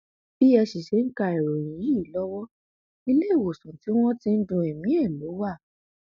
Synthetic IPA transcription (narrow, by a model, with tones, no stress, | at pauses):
b̥i˦ɛ˧ʃi˨ʃe˨˦ŋ̩˦ka˧ɛ˨ɾo˨j̃ĩ˨ji˨˦i˦˨˦lɔ˦wɔ˦ | i˧le˦˨wo˨sũ˨ti˨˦w̃ɔ̃˦tĩ˧n̩˦dũ˧ɛ˨mĩ˨˦ɛ˦˨lo˨˦wa˦˨